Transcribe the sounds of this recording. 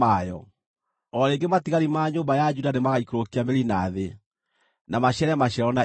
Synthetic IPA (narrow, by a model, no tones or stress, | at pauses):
ajɔ̰ | ɔɾeːŋɡematiɣaɾimaːɲoːmbajad͡ʒudanemaɣaikoɾokiameɾinaːðe | namaɕɛɾɛmaɕɛɾɔna